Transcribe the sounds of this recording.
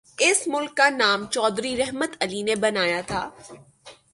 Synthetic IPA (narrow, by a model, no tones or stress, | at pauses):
ɪsmʊlkːanaːmt͡ʃɔːd̪ɾiɾɛɦmət̪ɐlinebɐnaːjat̪ʰaː